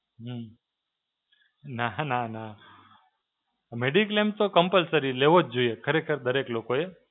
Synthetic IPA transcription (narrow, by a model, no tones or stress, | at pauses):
ɦ | nanana | meɖikəlemt̪okəmpəlsəɾileʋod͡ʒd͡ʒoiekʰəɾekʰəɾd̪əɾeklokoe